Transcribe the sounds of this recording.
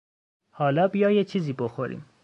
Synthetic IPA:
hɒːlɒːbijɒːjet͡ʃʰiːziːboxoɾḭːm

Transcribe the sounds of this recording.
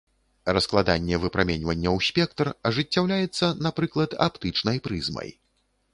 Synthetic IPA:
rɐsklˠad̪anʲːɛvɨpɾamʲɛnʲvɐnʲːɐwsʲpʲɛk̚t̪rɐʐɨt͡sʲːawlʲajɛt̪sːɐnapɾɨklˠɐt̪a̰pt̪ɨt͡ʂnɐjpɾɨzmɐ̰j

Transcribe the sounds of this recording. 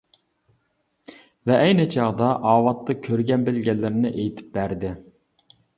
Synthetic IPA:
vɛʔɛjnɪt͡ʃʰɑʁd̪ɑʔɑːwɑt̪ːɑkʲʰøɾɡʲɛnbɪlɡʲɛlːɪɾɪnɪʔejt̪ʰɪ̥p̚bæɾd̪ɪ

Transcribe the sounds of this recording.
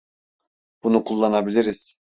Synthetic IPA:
b̥unukʰulˠːanabilʲiɾiz̥

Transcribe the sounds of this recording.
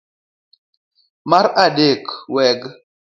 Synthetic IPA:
maɾadekwɛɡ

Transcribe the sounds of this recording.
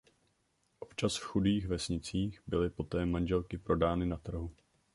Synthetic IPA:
ʔo̞pt͡ʃasfxudiːxvɛsɲɪt͡siːxbɪlɪpo̞t̪ɛːmanʒɛlkɪpɾo̞daːnɪnat̪r̩ɦu

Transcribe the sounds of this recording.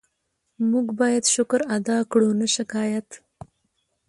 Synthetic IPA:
muɡbɑːjad̪ʃʊkɾad̪ɑkɽunaʃɪkɑːjat̪

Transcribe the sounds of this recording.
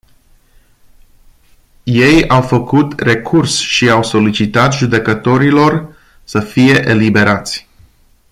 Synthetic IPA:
je̞jawfəkut̪re̞kʰursʃiawso̞lit͡ʃit̪at̪ʒud̪e̞kət̪o̞ɾilo̞r | səfije̞ʔelibe̞ɾat̪sʲ

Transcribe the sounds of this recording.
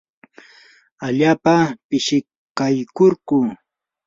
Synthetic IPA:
aʎaːpapɪʃɪ | kajkoɾkʊ

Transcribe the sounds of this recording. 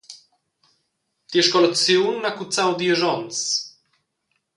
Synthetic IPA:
t̪jɛʃkɔlɛkt͡sjunːakut̪t͡s̪awd̪jɛʒɔnt͡ss

